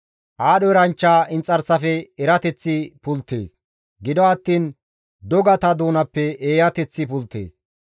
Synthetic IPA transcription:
ʔaːɗɔɛɾɐnt͡ʃːaːɪnt͡sʼːɐɾsɐfɛɛɾɐt̪ɛt͡sːɪpʊlt̪ːḛːs | ɡɪd̪ɔɐt̪ːiːn | d̪ɔɡɐt̪ɐd̪uːnɐpːɛʔeːjɐt̪ɛt͡sːɪpʊlt̪ːḛːs

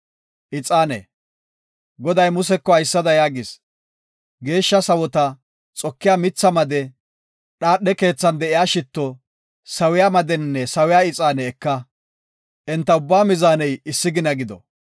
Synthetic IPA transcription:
ʔɪt͡sʼaːnɛ̰ | ɡɔd̪ɐjmʊsɛkːɔɐjsːɐd̪ɐjaːɡɪs | ɡe̞ːʃːɐsɐwɔt̪ɐ | t͡sʼɔkːɪjaːmɪt͡sːɐmɐd̪ɛ | ɗaːɗːɛke̞ːt͡sːɐnd̪ɛʔɪjaːʃɪt̪ːɔ | sɐwɪjaːmɐd̪ɛnːɛsɐwɪjaːɪt͡sʼaːnɛːkːɐ | ʔɛnt̪ːɐʊbːaːmɪzaːnɛjɪsːɪɡɪnɐɡɪd̪ɔ̰

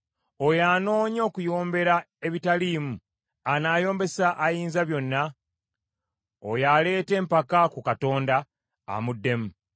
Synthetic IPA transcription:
o̞jaːno̞ːɲo̞ːkujo̞ːmbe̞ɾa | e̞βitaliːmu | anaːjo̞ːmbe̞saʔːjiːnzaβjo̞nːa | ojale̞ːte̞ːmpakakukato̞ːnda̰ː | mudːe̞mu

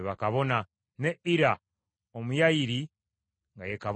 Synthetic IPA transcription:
βakaβo̞na | neiɾa | omujaiɾi | ŋɡajekaβ

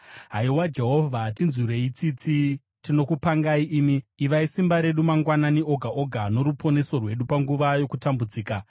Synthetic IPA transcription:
ɦaiwad͡ʒe̞ɦo̞vʱatinzuɾe̞it͡sit͡si | tino̞kupaŋɡaiʔiːmiːʋaisimbaɾe̞ɗumaŋɡwananio̞ɡʱaʔoɡʱano̞ɾupʰo̞ne̞so̞rwe̞ɗupaŋɡuʋajo̞kutambud͡ziːka

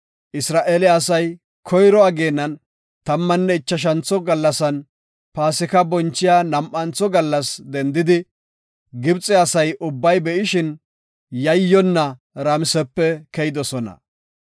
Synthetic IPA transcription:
ʔɪsɾaːʔelɛɐsɐj | kʰɔjɾɔɐɡe̞ːnːɐn | t̪ɐmːɐnːɛɪt͡ʃːɐʃ̬ɐnt͡sːɔɡɐlːɐsɐn | paːsɪkɐbɔnt͡ʃːɪjaːnɐmʔɐnt͡sɔɡɐlːɐsd̪ɛnd̪ɪd̪ɪ | ɡɪbt͡sʼɛɐsɐjʔʊbːɐjbɛʔɪʃɪn | jɐjːɔnːɐ | ɾamɪsɛpːɛkɛjɪd̪ɔsɔnɐ̰

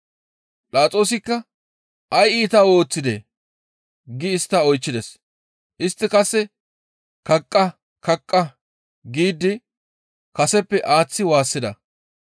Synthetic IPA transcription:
pʼlaːt͡sʼo̞ːs̬ɪkːɐ | ɐjiːt̪ɐwo̞ːt͡sːɪd̪ḛ | ɡɪːst̪ːɐɔjt͡ʃːɪd̪ɛs | ʔɪst̪ːɪkɐsːɛ | kɐkʼːɐ | kɐkʼːɐ | ɡiːd̪ɪ | kɐsɛpːɛʔaːt͡sːɪwaːsːɪd̪ɐ̰

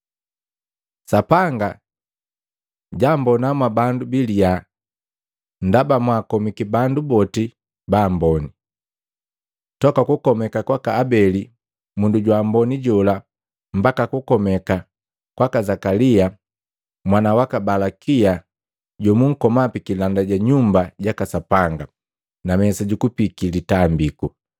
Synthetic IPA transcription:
sapaŋɡa | ɟambɔnamwabandubilia | n̩dabamwakɔmikibandubɔti | baːmbɔni | tɔkakukɔmɛkakwakaːbɛli | munduɟwambɔniɟɔla | m̩bakakukɔmɛka | kwakazakalia | mwanawakabalakia | ɟɔmuŋ̩kɔmapikilandaɟaɲumbaɟakasapaŋɡa | namɛsaɟukupikilitambiku

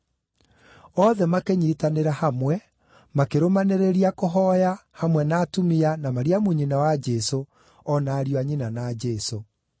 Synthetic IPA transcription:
ɔːðɛmakeɲitaneɾahamwɛ | makeɾomaneɾeɾiakoɦɔːjahamwɛnaːtumianamaɾiamuɲinawad͡ʒɛso | ɔnaːɾjwaɲinanaːd͡ʒɛso

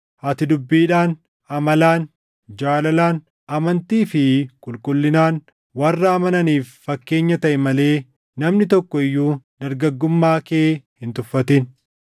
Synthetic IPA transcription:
hɐt̪ɪd̪ʊbːiːᶑaːn | ɐmɐlaːn | d͡ʒaːlɐlaːn | ɐmɐnt̪iːfɪkʼʊlkʼʊlːɪnaːn | wɐrːɐːmɐnɐniːfːɐkːe̞ːɲːɐt̪ɐʔɛmɐle̞ː | nɐmnɪt̪̬ɔkːɔɪjːuːd̪ɐɾɡɐɡːʊmːaːkeːhɪnt̪ʊfːɐt̪ɪn

